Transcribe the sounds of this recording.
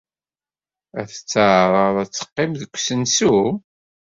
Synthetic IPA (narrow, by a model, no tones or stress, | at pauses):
æ̰θə̥t͡sːəʕɾˤəðˤæt͡sːə̥qːɪmðəkʷːsənsu